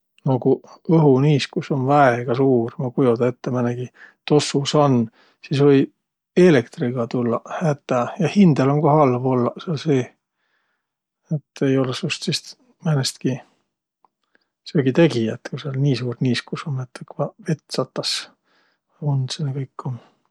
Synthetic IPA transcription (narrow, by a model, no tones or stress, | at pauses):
nokuɤɦuniːskusonvæeɡ̥ɑsuːrmɑkujud̪ɑet̪ːemæneɡ̥it̪o̞susɑnː | sisvɤj | e̞lekt̪riɡ̥ɑt̪ulːɑhæt̪ːˑæjɑhind̪̥elo̞nkohɑlvo̞lːɑseɑlse̞ː | et̪ːe̞jo̞lesust̪sist̪ | mænest̪ki | seɡit̪e̞ɡiɑt̪ːkuseɑlniːsuːrniːskusonːet̪ːekvɑve̞t̪ːˑsɑt̪ːˑɑs | und̪senːekɤjkːon